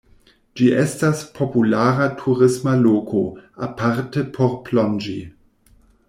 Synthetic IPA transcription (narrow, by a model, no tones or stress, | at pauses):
d͡ʒiʔestaspʰo̞pulaɾatʰuɾɪsmaloːkʰoa̰paɾtepʰoɾplond͡ʒi